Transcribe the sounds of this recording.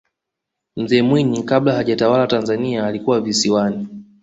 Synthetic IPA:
m̩zɛːmwiɲikaɓlahaʄatawalatanzaniaːlikuwavisiwani

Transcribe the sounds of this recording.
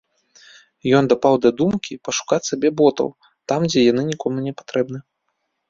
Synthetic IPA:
jɔnd̪apawd̪ɐd̪umkʲipɐʂu̥kat͡sʲsabʲɛbɔt̪ɐ̰w | t̪amd͡zʲɛjanɨnʲikɔmunʲɛpḁt̪ɾɛbnɨ

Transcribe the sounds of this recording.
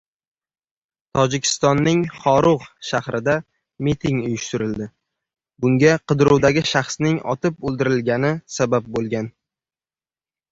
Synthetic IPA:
t̪ʰɒd͡ʒɪkʲʰɪ̥st̪ɒnːɪŋχɒɾʊʁʃahɾʔɪd̪a | mit̪ʰɪŋʊjɪʃt̪ɪɾɪld̪ɪ | bʊŋɡʲaqɨd̪ɾuwd̪aɡʲɪʃaχsnɪŋɒ̰t̪ɪpɵlˠd̪ɪɾɪlɡʲanɪsabap̚bolˠɡʲan

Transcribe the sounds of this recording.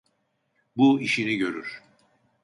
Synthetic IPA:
buiʃiniɟø̞ɾyɾ̥

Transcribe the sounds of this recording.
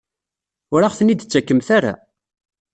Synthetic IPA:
ʊɾaχθənːid̪t͡sːækːəmθaɾa̰

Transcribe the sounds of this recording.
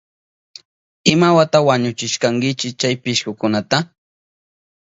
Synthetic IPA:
ɪmawat̪awaɲʊt͡ʃɪʃkaŋɡɪt͡ʃɪt͡ʃajpɪʃkʊkʊnat̪a

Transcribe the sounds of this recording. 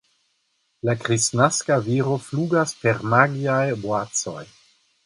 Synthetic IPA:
lakɾisnaskaviɾo̞fluɡaspeɾmaɡiajbwat͡so̰j

